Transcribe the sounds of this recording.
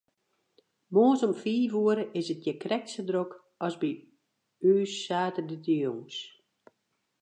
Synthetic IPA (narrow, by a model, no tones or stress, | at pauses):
moːəsɔmfiːʋuəɾəʔɪsət̚jɛkrɛk̚sədrok | ɔsbi | yːsaːtədədioŋs